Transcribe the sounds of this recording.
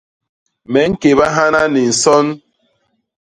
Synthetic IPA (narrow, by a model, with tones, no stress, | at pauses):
mɛ˨˦ŋ̩˦ke˨βa˦ɦa˦na˦ni˨n̩˨sɔ˦n